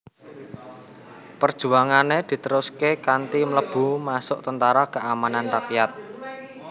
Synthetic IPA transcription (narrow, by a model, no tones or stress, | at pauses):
pərd̥ʒ̥ṳaŋaned̪̥i̤t̪əɾʊskekant̪imələb̥ṳmasʊʔt̪ənt̪aɾakəʔamananrakjat̪̚